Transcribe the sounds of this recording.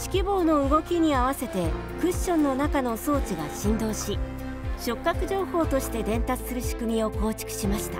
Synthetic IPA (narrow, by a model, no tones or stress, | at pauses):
ɕi̥kʲibo̞ːno̞ɯ̟ɡo̞kʲiɲ̟iaβase̞t̪e̞ | kɯ̟̃ɕːõ̞nːo̞nakano̞so̞ːt͡ɕiɡaɕĩnd̪o̞ːɕi | ɕo̞kːakɯ̟ʑo̞ːho̞ːt̪o̞ɕi̥t̪e̞d̪ẽ̞nt̪at͡sɨ̥sɨɾɯ̟ɕi̥kɯ̟mʲio̞ko̞ːt͡ɕi̥kɯ̟̥ɕimaɕi̥t̪a